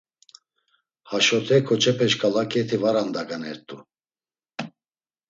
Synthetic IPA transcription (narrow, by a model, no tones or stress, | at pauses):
haʃɔt̪ʰɛkʰɔt͡ʃʰɛpʰɛʃkʰʼalakʼɛt̪ʰivaɾand̪aɡanɛɾt̪ʼu